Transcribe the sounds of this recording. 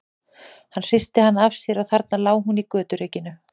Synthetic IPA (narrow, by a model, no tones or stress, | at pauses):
hanːr̥ɪst̪ɪhanːavsjɛɾawθaɾt̪nalaːwɦunikœːt̪ʏɾeːcɪnʏ